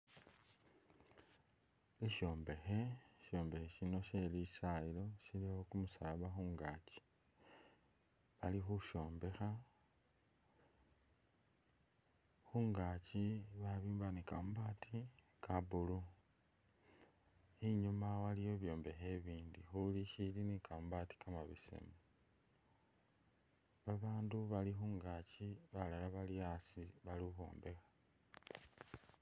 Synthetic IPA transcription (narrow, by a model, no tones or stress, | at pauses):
iʃjo̞ːmbe̞xe̞ʃo̞ːmbe̞xeʃino̞ʃe̞lisailo̞silixokumusalaβaxuːŋɡat͡ʃi̥ | βalixuʃo̞ːmbe̞xa | xuːŋɡaciβaβiːmbanikamubatʰi | kabulu | iɲumawalijo̞βjo̞ːmbe̞xe̞βiːndixuliʃilinikʰambati̥kʰamaβḭsḛmu | βaβaːnduβalixuːŋɡaciβalalaβaliasiβaliuxo̞̰ːmbe̞xḁ